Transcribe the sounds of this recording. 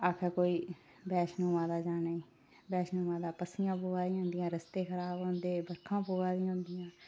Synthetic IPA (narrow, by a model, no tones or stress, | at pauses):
aːkʰɛːkoːiː | bɛːʃnõːʋãːd̪aːd͡ʒaːnaiː | bɛːʃnõːʋãːd̪aːpəsɪjãːpoːʋaːd̪ɪãːnd̪ɪjãːɾəst̪eːkʰəɾaːbõːnd̪eːbəkʰːãːpoːʋaːd̪ɪːõːnd̪ɪjãː